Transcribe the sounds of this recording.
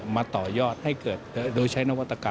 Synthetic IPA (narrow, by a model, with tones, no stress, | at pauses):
maː˧t̪ɔː˨˩jɔː˥˩t̪̚ha˥˩jkɤː˨˩t̪̚ːdoː˧jt͡ɕʰa˦˥jna˥wa˦˥t̪ːa˧kaː˨